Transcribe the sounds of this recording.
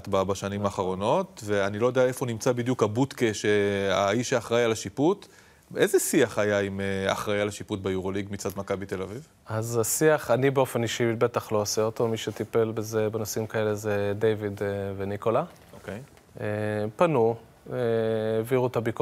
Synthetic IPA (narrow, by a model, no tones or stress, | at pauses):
t̪baabaʃanimaːχaʁo̞no̞t̪veanilo̞jodeae̞fonimt͡sabid̪jukabut̪keʃeaiʃeaχʁajalaʃiput̪ | ezesiaχajaimea̰χʁajalaʃiput̪bejuʁoliɡmit͡sad̪makabit̪e̞laviv | azasiaχanibeo̞feniʃibe̞t̪aχlo̞aseoto̞miʃet̪ipe̞lbezebenosimkae̞le̞zed̪ejvidveniko̞la | okej | epanu | eːviʁut̪abik